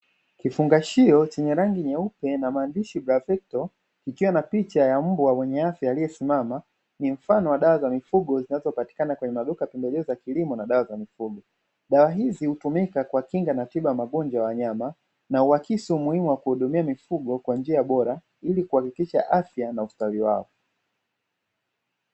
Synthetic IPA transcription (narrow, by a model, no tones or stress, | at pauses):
kifuŋɡaʃiɔt͡ʃɛɲɛɾaŋɡiɲɛupɛnamaːndiʃibɾavɛk̚tɔ | kikiwanapit͡ʃajam̩bwawɛɲɛafjaːlijɛsimama | nim̩fanɔwaɗawazamifuɡɔzinazɔpati̥kanakwɛɲɛmaɗukapɛmbɛlɛɔzakilimɔnaɗawazamifuɡɔ | ɗawaɦizihutumikakwakiŋɡanatiɓajamaɠɔnd͡ʒajawaɲama | nauakisiumuhimuwakuhuɗumiamifuɡɔkwand͡ʒiaɓɔɾa | ilikuhakikiʃa̰ʔafjanaustawiwa̰ɔ